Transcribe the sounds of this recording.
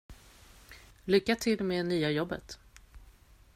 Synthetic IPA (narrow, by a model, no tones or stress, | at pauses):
lʏkːat̪ʰɪlmeːnyːajɔbːə̰t̪